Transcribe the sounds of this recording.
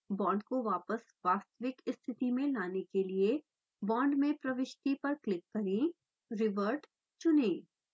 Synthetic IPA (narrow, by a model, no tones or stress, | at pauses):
bɔ̃ːɳɖkoʋaːpəs | ʋaːst̪əʋɪkɪst̪ʰɪt̪imẽlaːnekelie | bɔ̃ːɳɖmẽpɾɐʋɪʃt̪ipɐɾklɪkːɐɾĩ | ɾɪʋəɾɖ | t͡ʃʊnẽː